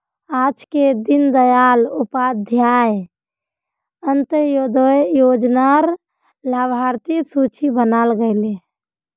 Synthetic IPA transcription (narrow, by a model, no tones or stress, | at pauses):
ad͡ʒked̪ind̪əjalupad̪ʱjaj | ənt̪əjod̪jod͡ʒnaɾ | labʱaɾt̪isut͡ʃibənalɡəɪle